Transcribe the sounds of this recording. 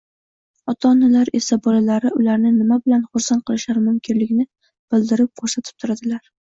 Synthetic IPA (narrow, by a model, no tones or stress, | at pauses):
ɒt̪ʰaːnalaɾe̞sabɒlalaɾɪʊlaɾnɪnɪmabɪlanχʊɾsant̪̚qʰɨlɪʃlaɾɪmʊmkʲʰɪnlɪkʲnɪ | b̥ɪld̪ɪɾɪp̚kʰoɾsat̪ʰɪ̥p̚t̪ʰʊɾad̪ɪlaɾ